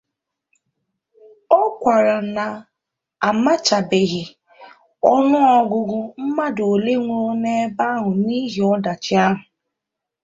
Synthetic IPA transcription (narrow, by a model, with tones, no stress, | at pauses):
ɔ˦kʷa˨ɾa˨na˨ | a˨ma˦t͡ʃa˨be˨ɣɪ˨ | ɔ˦nʊ˦ɔ˦ɡʊ˨ɡʊ˦m̩˦ma˦do˨le˦ŋʷo˦ne˦ba˦ɦʊ˨niː˦ɦi˨ɔ˦da˨t͡ʃɪ˦a˦ɦʊ˨